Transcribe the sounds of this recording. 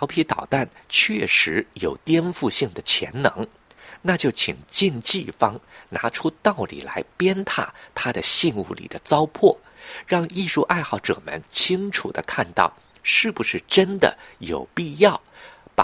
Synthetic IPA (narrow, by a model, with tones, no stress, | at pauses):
ɑ˧˥ʊpʰi˧˥t̪ɑ˨˩ʊt̪a˥˩nt͡ɕʰɥɛ˥˩ʂɻ̩˧˥jo˨˩ʊt̪jɛ˥nfu˥˧ɕi˥˩ŋd̪ə˩t͡ɕʰjɛ̰˧˥nnɤ˧˥ŋ | na˥˧t͡ɕjo˥˩ʊt͡ɕʰi˨˩ŋt͡ɕi˥˧nt͡ɕi˥˩fɑ˥ŋna˧˥ʈ͡ʂʰu˥t̪ɑ˥˩ʊlḭ˨˩la̰˧˥ɪpjɛ˥nt̪ʰa̰˥˩t̪ʰa˥d̪ə˨ɕi˥˧nṵ˥˩lḭ˨˩d̪ə˦t͡sɑ˥ʊpʰwɔ˥˩ | ɻɑ˥˧ŋi˥˧ʂu˥˧ʔa˥˧ɪxɑ˥˩ʊʈ͡ʂɤ̰˨˩mə̰˧˥nt͡ɕʰi˥ŋʈ͡ʂʰṵ˨˩d̪ə̰˦kʰa˥˧nt̪ɑ̰˥˩ʊ | ʂɻ̩˥˩bu˩ʂɻ̩˥˩ʈ͡ʂə˥nd̪ə̰˨˩jo˨˩ʊpi˥˧jɑ˥˩ʊp